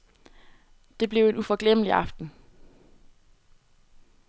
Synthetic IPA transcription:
d̥e̝b̥le̝ʊe̝nufɒ̽ɡ̥lemliʔɑ̈fd̥n̩

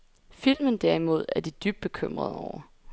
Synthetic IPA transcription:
fil̰mənd̥æɐ̰imo̝ð̞̰ˠæɐd̥id̥yb̥̚b̥e̝kʰøm̰ʁɐð̞ˠɒʊ̰ɐ

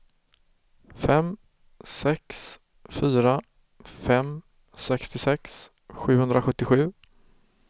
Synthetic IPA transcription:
fɛm | sɛks | fyːɾa | fɛm | sɛkst̪ɪsɛks | ɧʉ̟ːhɵnd̪ɾaɧɵt̪ːɪɧʉ̟ː

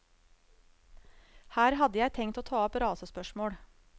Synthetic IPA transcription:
hæːɾhɑd̪əjæɪt̪ʰɛŋt̪oːt̪ʰɑːɔpɾɑːsəspœʃmoːɽ

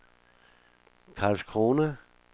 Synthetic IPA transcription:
kʰɑːlskʰʁoːnə

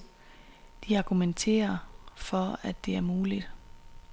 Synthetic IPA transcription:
d̥iɑ̈ɡ̥ument͡sʰe̝̰ːɐfɒ̽æd̥ːe̝æɐmuːlid̥

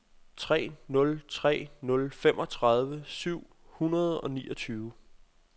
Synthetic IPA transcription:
t͡sʰʁɛ̰ːnɔ̽lt͡sʰʁɛ̰ːnɔ̽lfemʔɒ̽t͡sʰʁɑð̞ˠʋəsyʊ̰ | hunɐð̞ˠɒ̽nḭːʔɒ̽t͡sʰyːʊə

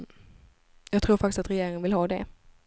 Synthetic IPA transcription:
jɑːɡ̚t̪ʰɾuːɾfakt̪ɪst̪at̪ɾɛjeːɾɪŋənvɪlɦɑːd̪ɛ

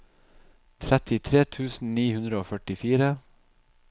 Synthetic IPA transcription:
t̪ʰɾɛt̪ɪt̪ʰɾeːt̪ʰʉːsn̩niːhʉnd̪ɾəoːfœʈɪfiːɾə

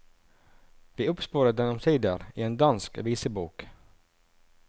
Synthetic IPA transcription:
vɪɵpspuːɾad̪ɛnɔmt̪ʰiːd̪əɾɪɛnd̪anskviːsəbuːk

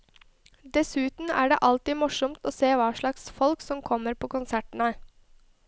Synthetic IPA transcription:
d̪ɛsʉːt̪n̩æ̰ːɖḛːʔɑlt̪iːmʊʂɔmt̪oːseːʋɑːʂɭɑksfɔlksɔmkʰɔmːəɾpʰoːkʊnsæʈn̩ə

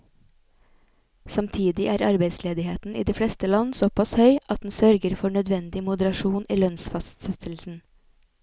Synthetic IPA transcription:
sɑmt̪ʰiːd̪ɪʔæːɾɑɾbeɪsleːd̪ɪheːt̪n̩ʔḭːd̪iːfɽɛst̪əlɑnsopʰɑshœʏʔɑt̪̚d̪n̩sœɾɡəɾfɔɳœd̪ʋɛnd̪ɪmʊd̪əɾɑʃuːnḭːlœnsfɑst̪sɛt̪ʰl̩sn̩

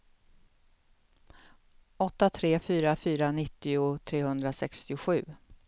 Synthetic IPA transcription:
ʔɔt̪ːat̪ʰɾeːfyːɾafyːɾanɪt̪ːɪʊt̪ʰɾeːhɵnd̪ɾasɛkst̪ɪʊɧʉ̟ː

